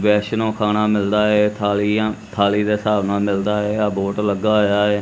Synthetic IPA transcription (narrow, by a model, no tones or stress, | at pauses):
ʋɛːʃnõːkʰaːñaːmɪld̪aːɛːt̪ʰaːliːãːt̪ʰaːliːd̪eːsaːʋnaːmɪld̪aːɛːaboːʈləɡaːɦojaːɦɛː